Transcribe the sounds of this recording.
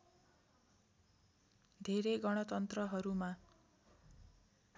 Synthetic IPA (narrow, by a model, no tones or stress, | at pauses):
d̪ʱeɾeɡʌɽ̃ʌt̪ʌnt̪rʌɦʌɾuma